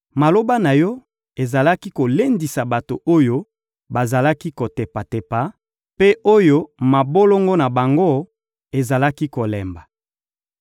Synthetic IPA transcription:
ma˨lo˦ba˦na˨jɔ˦ | e˨za˨la˦ki˦ko˨le˦ndi˨sa˨ba˨to˨o˦jo˦ | ba˨za˨la˦ki˦ko˨te˨pa˨te˨pa˨ | pe˦ʔo˦jo˦ma˨bo˦lo˦ŋɡo˦na˨ba˨ŋɡo˦ | e˨za˨la˦ki˦ko˨lɛ˨mba˨

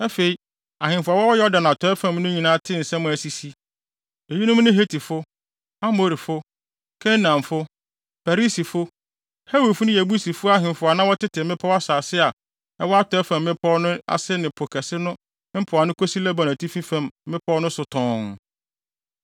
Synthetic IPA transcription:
ɛ˦fe˨i˨ | a˨hɪ̃˨mfʊ˨a˨wɔ˦wɔ˦jɛ˦ɔ˦dã˨nã˨tʰɔ˨˦ɛ˦fã˨mnʊ̃˦ɲĩ˨nãː˦tʰɪ̃˦n̩˨sɛ˦mʊ̃˨æ˨si˨si˦ | e˨ji˦nʊ̃˦m˦nɪ̃˦ɦe˦tʰi˨fʊ˦ | a˦mo˨ɾi˨fʊ˦ | kʰɛ̃˦nã˨mfʊ˦ | pæ˨ɾi˦si˨fʊ˦ | he˦we˨fʊ˦nʊ̃˦jæ˨bu˦si˨fʊ˦a˦ɦɪ̃˨m˨fʊ˨a˨nã˦wɔ˦tʰɪ˦tʰɪ˨mɪ̃˦pʰɔ˦wa˦saː˨sɪ˦a˨ | ɛ˦wɔ˦a˦tʰɔ˨˦ɛ˦fã˨mːɪ̃˦pʰɔ˦nʊ̃˦a̰˨sɪ˦nɪ̃˨pʰo˨kʰɛ˨sɪ˦nʊ̃˦ | m̩˦pʰʊ˨a˨nʊ̃˦kʰo˦si˦lɛ˦ba˨nã˨tʰi˦fĩ˦fã˨mː˦ɪ̃˦pʰɔ˦nʊ̃˦sʊ˨tʰɔ̃˨ŋ

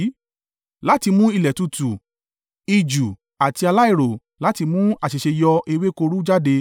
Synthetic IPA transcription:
la˦ti˧mũ˦i˦˧lɛ˨tu˧tu˨ | i˧d͡ʒu˨ | a˨ti˧a˧la˦i˦˨ɾo˨ | la˦ti˧mũ˦a˦˨ʃe˨ʃe˧jɔ˧ʔe˧we˦ko˧ɾu˦d͡ʒa˦de˧

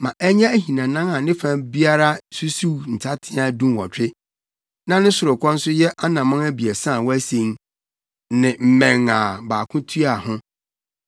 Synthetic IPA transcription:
mã˨ʔɛ˦ɲã˦æ˦ɦĩ˨nã˨nã˦a˨nɪ̃˦fã˦bi˦a˦ɾa˦su˦su˦n̩˨tʰa˦tʰɪ̃˦a˦dũ˦˨wɔ̰˨t͡ɕᶣɪ˦ | nã˦nʊ̃˦sʊ˨ɾʊ˨kʷʰɔ̃˦n̩˦sʊ˦jɛ˦ʔa˦nã˨mã˦ŋæ˦bi˨a˨sã˦˨wɔ˦æ˦sẽ˦ŋ | nɪ̃˨m̩˨mɛ̃˨ŋa˨baː˨kʰʊ̃˦tʰu˦a˨hʊ̃˦

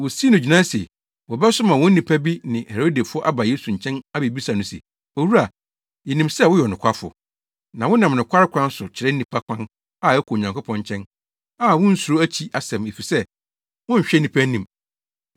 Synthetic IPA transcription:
wʊ˨si˦nʊ̃˨d͡ʑᶣi˨nã˦sḛ˨ | wɔ˨bɛ˦sʊ˦mã˨wʊ̃˦n̩˦nĩ˨pʰa˦bi˦nɪ̃˨he˨ɾo˦de˨fʊ˦ɔ˦ʔa˦ba˨jeː˦su˨ɲ̩˨t͡ɕʰɛ̃˦na˦be˨bi˦sa˨nʊ̃˦sḛ˨ | o˨wu˦ɾa˨ | jɛ˨nĩ˨msɛ˦˨wʊ˦jɛ˨nʊ̃˨kʰa˦fʊ̰˨ | nã˨wʊ˦nã˨mnɪ̃˨kʰʷa˦ɾɪ˦kʰʷã˦n˦sʊ˨t͡ɕʰɪ˨ɾɛ˦n̩˦nĩ˨pʰa˦kʰʷã˦n | a˦˨ɛ˦kʰɔ˨ɲã˨ŋkʊ˦pʰɔ̃˦ɲ˨t͡ɕʰɛ̃˦n | a˦˨wʊ̃˦n̩˦su˨ɾo˦æ˦t͡ɕʰi˦ʔa˨sɛ̃˨me˨fi˨sɛ˦ | wʊ̃˦ɲ̩˨ɕᶣɛ˦nĩ˨pʰa˦nĩ˨m

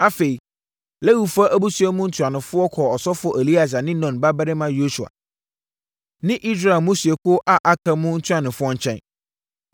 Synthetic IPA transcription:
a˦fe˨i˨ | le˦wu˨fa˦ʔæ˦bu˦su˨˦ɛ˦mũ˦n̩˦tʰu˨ã˨nʊ̃˨fʊ˦ɔ˦kʰɔ˨ɔ˨sɔ˦fʊ˨˦ɔ˨ʔe˨li˦a˨s̬a˨nɪ̃˦nɔ̃˨nba˦ba˦ɾɪ˦mã˦jo˦su˨a̰˨ | nɪ̃˦ʔi˦s̬ɾa˦ɛ˨mũ˦si˨e˨kʰʊ˦ʔa˨ʔa˨kʰa˨mʊ̃˦n̩˦tʰu˦a˨nʊ̃˨fʊ˦ɔ˦ɲ̩˦t͡ɕʰɛ̰̃˦n

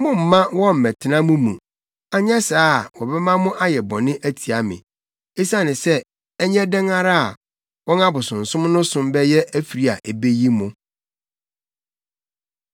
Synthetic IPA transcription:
mʊ̃˦m̩˨mã˦wɔ̃˦m̩˨mɛ̃˨tʰɪ˨nã˦mʊ̃˦mũ˨ | a˨ɲ˦ɛ˦saː˦˨wɔ˨bɛ˦mã˦mʊ̃˦ʔa˦jɛ˨bɔ̃˨nɪ̃˦ʔæ˦tʰi˨a˨mɪ̰̃˨ | e˦sa˦˨nɪ̃˨sɛ˦ | ɛ˦ɲɛ˦dɛ̃˦ŋa˦ɾa˦a˨ | wɔ̃˦na˦bʊ˨sʊ̃˨n̩˨sʊ̃˦m˦nʊ̃˦sʊ̃˦mbɛ˦jɛ˦ʔæ˦fi˨ɾi˦a̰˨ʔe˨be˦ji˦mʊ̃˦

